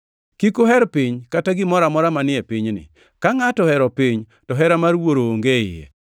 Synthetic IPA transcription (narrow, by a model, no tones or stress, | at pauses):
kikoɦɛɾpɪɲkataɡɪmɔɾamɔɾamanɪɛpɪɲnɪ̰ | kaŋatɔhɛɾɔpiɲ | tɔɦɛɾamarwoɾoːŋɡeɪjɛ̰